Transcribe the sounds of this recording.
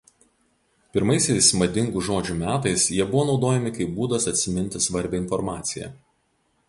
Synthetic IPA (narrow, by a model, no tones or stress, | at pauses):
pʲɪɾmɐɪsʲɛɪsmɐd̪ʲɪŋɡuʒoːd͡ʒʲumʲæːt̪ɐɪsjiɛbʊʋoːnɒʊd̪oːjɛmʲɪkɐɪp̚buːd̪ɐsɐt̪ʲsʲɪmʲɪnʲt̪ʲɪsʋɐɾʲbʲɛɪnfɔɾmɑːt̪sʲɪjɛ̰